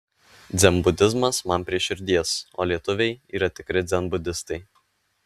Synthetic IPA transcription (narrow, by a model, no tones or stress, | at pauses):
d̪zʲɛmbʊd̪ʲɪzmɐsmɐnpʲɾʲiɛʃʲɪɾʲd̪ʲiɛso̰ːlʲiɛt̪ʊʋʲɛɪiːɾɐt̪ʲɪkɾʲɪd̪zʲɛnbʊd̪ʲɪst̪ɐɪ